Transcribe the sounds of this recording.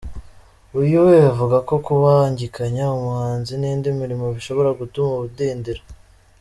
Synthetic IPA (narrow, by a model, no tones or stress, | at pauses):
ujuwejavuɡako̞kuβaɲɟikaɲaumuhaːnziniːndimiɾimo̞βiʃo̞βo̞ɾaɡutumuβudiːndiɾa